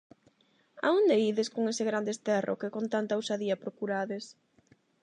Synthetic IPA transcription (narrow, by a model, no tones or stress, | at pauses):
a̰und̪eiðeskoŋesɪɣɾand̪eːst̪ɛrʔo̰kekont̪ant̪awsaðiɐpɾokuɾaðes